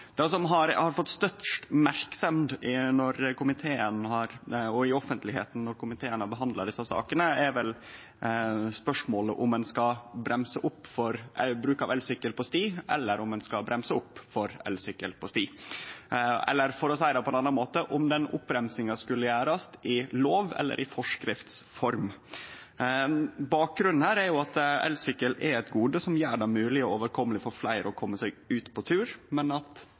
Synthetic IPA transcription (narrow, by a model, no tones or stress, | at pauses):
d̪̥ɛsɔmɦɑɾhɑɾfɔt̪ːst̪œt̪ʂt̪mæɾksɛmd̪ɪnɔɾkʊmɪt̪ʰeːənhɑɾɔɪɔfənt̪lɪhḛːt̪n̩nɔɾkʊmɪt̪ʰeːənɑbəɦɑnd̪lɑɖɪsːɑsɑ̰ːkənəɛɾʋɛl | spœʂmoːləʔʊmɛnskɑbɾʔɛmsəʔʊpːfɔɾbɾʉːkɑʋɛlsʏkːəlpɔst̪iːʔɛ̰lːəɾʊmɛnskɑbɾɛmsəʊpːfɔɾɛ̰lsʏkːəlpʰɔst̪iː | ɛ̰lːəɾfɔɾɔsæɪɾɑpʰɔɛnɑnːɑnmoːt̪əʔʊmd̪ɛnʊ̰pːɾɛmsɪŋɑskʉlːəjæːɾɑst̪ɪloːʋɛ̰lːə̰ɾʔɪfɔʂkɾɪft̪sfɔɾm | bɑːk̚ɡɾʉnn̩hæːɾæɾjʊɑt̪ɛ̰lsʏkːəlɛɾɛt̪ɡuːd̪əsɔmjæːɖɛmʉːlɪɔoːʋəɾkʰɔmːəlɪfɔɾflæɪɾɔkʰɔmːəsæɪɡʉːt̪pʰɔt̪ʰʉːɾmɛnɑt̪